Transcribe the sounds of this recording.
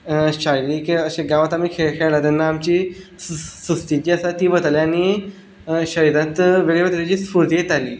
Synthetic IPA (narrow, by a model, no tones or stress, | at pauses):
ɕajliːkəɕẽɡãʋat̪amiːkʰekʰeɭɭat̪ɛnːaːmt͡ɕi | sust̪id͡ʑiːasat̪iːbət̪aliañi | ɕəɾãt̪ʋeɭeʋət̪ɾed͡ʑiːspuɾt̪ijet̪aliː